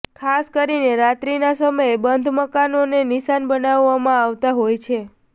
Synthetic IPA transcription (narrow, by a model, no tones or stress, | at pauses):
kʰaskəɾineɾat̪ɾinasəməebənd̪ʱməkanoneniʃanbənaʋːamãaʋt̪aɦojt͡ʃʰe